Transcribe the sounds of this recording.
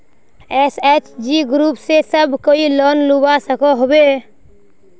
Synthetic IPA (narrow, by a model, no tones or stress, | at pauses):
ɛset͡ʃd͡ʒiɡɾuːpsesəbʱkoilənlubasəkɔɦobe